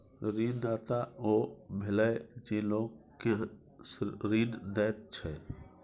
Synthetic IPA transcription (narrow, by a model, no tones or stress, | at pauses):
ɾiːnd̪aːt̪aoːbʱɪləd͡ʒiːloːɡke | sɾiːnd̪ɛːt̪̚t͡ʃʰɛ